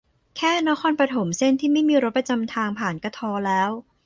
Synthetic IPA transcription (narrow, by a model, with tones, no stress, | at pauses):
kʰɛː˥˩na˦˥kʰɔː˧npɾa˧t̪ʰo˩˦mse˥˩nt̪ʰiː˥˩ma˥˩jmiː˧ɾo˦˥t̚pɾa˧t͡ɕa˧mt̪ʰaː˧ŋpʰaː˨˩nka˧t̪ʰɔː˧lɛː˦˥w